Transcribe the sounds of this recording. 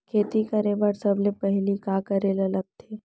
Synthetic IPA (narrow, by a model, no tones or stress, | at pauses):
kʰeːt̪ikɐɾebəɾsɐblepɛɦlikakɐɾelɐləb̚t̪ʰeː